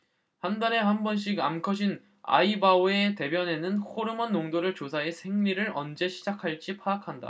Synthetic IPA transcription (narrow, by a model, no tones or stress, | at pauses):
handaɾe̞ɦambʌnɕ̬ʰiɡa̰mkʰʌɕ̬ʰin | a̰ibaoe̞te̞bjʌne̞nɯnkʰoɾɯmʌnːoŋdoɾɯɭt͡ɕosʰaɦe̞sʰe̞ŋɲiɾɯɾʌ̰nd͡ʑe̞ɕʰid͡ʑakʰaɭt͡ɕ͈ipʰaːkʰanda̰